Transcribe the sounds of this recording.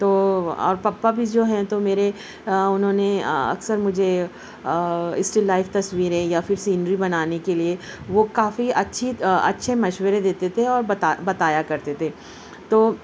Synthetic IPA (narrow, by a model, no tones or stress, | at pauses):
t̪oːɔ̰ːɾpɐpːabʱid͡ʒoːɦɛ̃t̪omeːɾe | ʊnɦõːneɐ̰ksəɾmʊd͡ʒʱe | ɪsʈɪlːaːɪft̪ɐsʋiːɾẽjafɪɾsiːnɾibɐnaːnekelieʋokaːfiɐtːʃʰiɐ̰tːʃʰemɐʃwəɾed̪eːt̪et̪ʰeɔːɾbt̪abɐt̪aːjakɐɾt̪et̪ʰeː | t̪oː